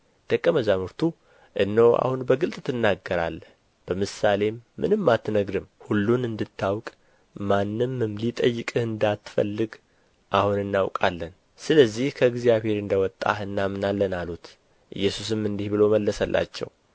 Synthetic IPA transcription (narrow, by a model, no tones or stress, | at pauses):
d̪̥əkʼːəməzamɨɾt̪ʰu | ʔɨnːəwa̰hunbəɡɨlt̪ʼt̪ʰɨnːaɡəɾa̰lːəh | b̥əmɨsale̞mːɨ̰nɨmːat̪ːnəɡɾɨmhulːunɨnd̪ɨt̪ʰːawkʼ | manːɨmːɨmlit̪ʼəjːɨkʼɨhɨnd̪at̪ːfə̰lːɨɡ | ʔahunɨnːawkʼalːən | sɨləzːihkʰəɨɡzijaβhe̞ɾɨnd̪əwɔt̪ʼːa̰ɨnːamɨnalːənalut̪ | ʔɨ̰jːɛsus̬ɨmɨnd̪ihbɨlo̞məlːəsəlʔa̰t͡ʃːɛ̰w